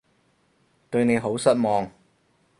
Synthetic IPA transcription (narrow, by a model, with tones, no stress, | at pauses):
t̪ɵ˧ɥne˨˧jɦo˨˥wsɐ˥t̚mɔː˨ŋ